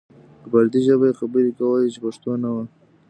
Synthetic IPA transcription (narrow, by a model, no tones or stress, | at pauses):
kəbaɾd̪iʒəbaexabəɾikawəjit͡ʃepaʂt̪onawa